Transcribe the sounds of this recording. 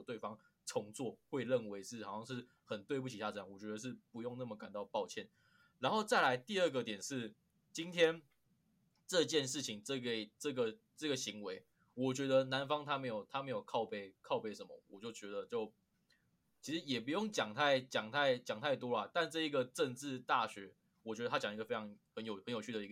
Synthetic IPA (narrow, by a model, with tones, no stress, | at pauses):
t̪we˥˩ɪfɑ˥˦ŋ | ʈ͡ʂʰɔ˧˥ŋt͡swɔ˥˨xwe˥˧ɪɻə˥˩nwe˧˥ɪʂɻ̩˥˩hɑ˨˩ɕjɑ˥˧ŋʂɻ̩˥˩ | xə˨˩nt̪we˥˧p̬u˥˩t͡ɕʰi˨ɕja˥˩˧ɤ˧˩jɑ˥˩wɔ˨˩t͡ɕɥɛ˧˥d̪ə˧ʂ̬ɻ̩˥˩pu˧˥jo˥˧ŋna˥˩mə˩ka˨˩nt̪ɑ˥˧ʊpɑ˥˧ʊt͡ɕʰjɛ˥˩n | ɻa˧˦˥nxo˥˧ʊt͡sa˥˩ɪla˧˥ɪt̪i˥˧ə˥˧ɡə˨t̪jɛ˨˩nʂɻ̩˥˩ | t͡ɕi˥nt̪ʰjɛ˥n | ʈ͡ʂɤ˥˧t͡ɕjɛ˥˧nʂ̬ɻ̩˥˩t͡ɕʰi˨˦ŋʈ͡ʂɤ˥˩ɡe˨˩ʈ͡ʂɤ˥˩ɡə˨ | ʈ͡ʂə˥˩ɡə˨˩ɕi˧˥ŋwe˧˦ɪ | wɔ˨˩t͡ɕɥɛ˧˥d̪ə˧na˧˦nfɑ˥ŋt̪ʰa˥me˧˥ɪjo˨˩ʊt̪ʰa˥me˧˥ɪjo˨˩ʊkʰɑ˥˧ʊpe˥˩ɪkʰɑ˥˧ʊpe˥˩ɪʂə˧˦nmə̰˨wɔ̰˨˩t͡ɕjo˥˩ʊt͡ɕɥɛ˧˥d̪ə˧t͡ɕjo˥˩ʊ | t͡ɕʰi˧˥ʂɻ̩˧˦jɛ˨˩pu˧˥jo˥˩ŋt͡ɕjɑ˨˩ŋt̪ʰa˥˩ɪt͡ɕjɑ˨˩ŋt̪ʰa˥˩ɪt͡ɕjɑ˨˩ŋt̪ʰa˥˩ɪt̪wɔ˥la˨t̪a˥˧nʈ͡ʂɤ˥˧i˧˥ɡə˨ʈ͡ʂə˥˧ŋʈ͡ʂɻ̩˥˧t̪a˥˩ɕɥɛ˧˥ | wɔ˨˩t͡ɕɥɛ˧˥ə˧a˥t͡ɕjŋ˧i˧ɡə˧fe˥ɪʈ͡ʂʰɑ˧ŋxə˧˦njo˨˩ʊxə˧njo˨˩ʊt͡ɕʰy˥˩d̪ə˩i˧˥ɡ